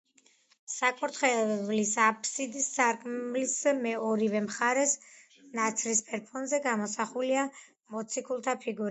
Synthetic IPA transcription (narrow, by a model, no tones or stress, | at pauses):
sakʼɔɾt̪χɛvlisapʰʼsid̪issʰaɾkʼmlismɛɔɾivɛmχaɾɛs | nat̪sʰlispʼɛɾpʰɔnzɛɡamɔsaχulia | mɔt̪sʰikʰulˠt̪ʰapʰiɡuɾa